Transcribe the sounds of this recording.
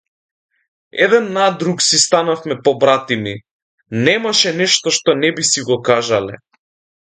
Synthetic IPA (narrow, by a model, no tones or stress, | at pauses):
ɛ̰d̪ɛnːad̪ɾuksist̪anafmɛpɔbɾat̪imi | nɛmaʃɛnɛʃt̪ɔʃt̪ɔnɛbisiɡɔkaʒalɛ̰